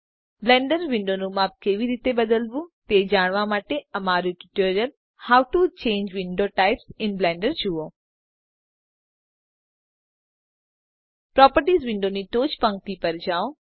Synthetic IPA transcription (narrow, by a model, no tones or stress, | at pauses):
blɛ̃ːɳɖəɾʋɪ̃ɳɖonũmaːp̚keːʋiɾiːt̪ebəd̪əlbũt̪ed͡ʒaːɽ̃ʋamaːʈeɐmaːɾũʈɪ̥ʈoːɾijəl | haːwʈut͡ʃẽːɲd͡ʒʋɪ̃ɳɖoʈaɪpsɪnblɛ̃ːɳɖəɾd͡ʒuõ | pɾɔːpəɾʈiːzʋɪ̃ɳɖoniʈoːt͡ʃpə̃ŋk̚t̪ipəɾd͡ʒaːõ